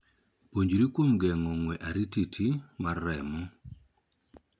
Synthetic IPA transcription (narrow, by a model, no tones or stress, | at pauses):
poɲd͡ʒɾikwomɡɛŋɔŋwɛʔaɾititʰimarːɛmɔ